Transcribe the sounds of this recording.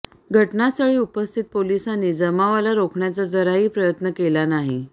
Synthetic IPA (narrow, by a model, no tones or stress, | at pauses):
ɡʱəʈnasəɭiːupəst̪ʰit̪̚polisanːiːd͡zəmaʋalaɾokʰɳjat͡sad͡zəɾaɦiːpɾəjət̪nəkelanaɦi